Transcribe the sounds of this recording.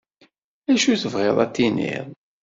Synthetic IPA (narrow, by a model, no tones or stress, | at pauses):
æʃuθəvʁɪðˤæt̪ːinḭðˤ